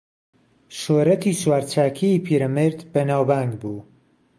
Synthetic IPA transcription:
ʃoːɾɐt̪ʰiːswaːɾt͡ʃʰaːkʰiipʰiːɾɐmɨɾd̪bɐnaːwbaːŋɡbuː

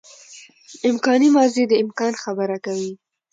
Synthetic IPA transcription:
ɪmkɑnimɑzid̪əɪmkɑnxabəɾakawi

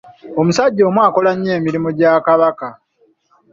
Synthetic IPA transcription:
o̞musaɟːo̞ːmwaːko̞laɲːe̞ːmiɾimoɟaːkaβaka

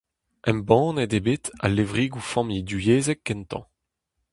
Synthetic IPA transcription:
ɛ̃mbɑ̃ːnɛdebet̪a̰levʁiːɡufɔ̃mid̪yjeːzɛk̚ːɛnt̪ɑ̰̃

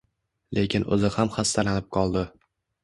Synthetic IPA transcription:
lʔe̞kʲɪnɵ̰zɪhamχast̪alanɪp̚qʰɒlˠd̪ɪ

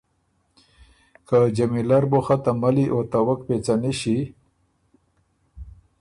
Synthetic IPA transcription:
kad͡ʒamilaɾboxat̪amaliʔot̪awak̚pet͡saniʃi

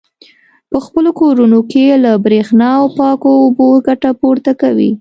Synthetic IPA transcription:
pəxpəlokoɾunokelabɾexnɑawpɑkoːboɡaʈapoɾt̪akawḭ

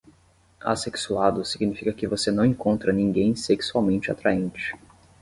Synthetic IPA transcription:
a̰seksuad̪ʊsiɡinifikɐkɪvosenɐ̃w̃ẽŋkõnt̪ɾɐnĩŋɡẽj̃seksuawmẽnt͡ʃɪa̰t̪ɾaẽnt͡ʃɪ̥

